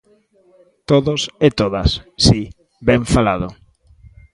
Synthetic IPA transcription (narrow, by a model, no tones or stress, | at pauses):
t̪oðoset̪oðasːi | bɛɱfalaðo